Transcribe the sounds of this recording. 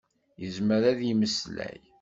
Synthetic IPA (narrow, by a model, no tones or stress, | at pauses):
jəzməɾæðjiməslæ̰j